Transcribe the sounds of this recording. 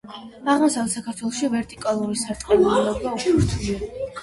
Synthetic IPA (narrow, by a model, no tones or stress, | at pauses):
aʁmɔsavɛsakʰaɾt̪ʰwɛlˠɔʃivɛɾt̪ʼikʼalˠuɾisaɾt̪ʼqʼɛniilɔɡauʃt͡ʃʰuɾt̪ʰ